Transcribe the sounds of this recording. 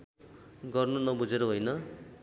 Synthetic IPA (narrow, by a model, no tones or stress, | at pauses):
ɡʌrnunʌbud͡zeɾʌɦojnʌ